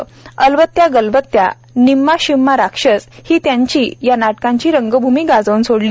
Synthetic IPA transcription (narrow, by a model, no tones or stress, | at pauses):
əlʋət̪jaɡəlʋət̪ja̰ | nimːaɕimːaɾakʂət͡shiːt̪jãɲt͡ɕiːjanaʈkãɲt͡ɕiːɾəŋɡəbʱumiːɡad͡zownsoɽli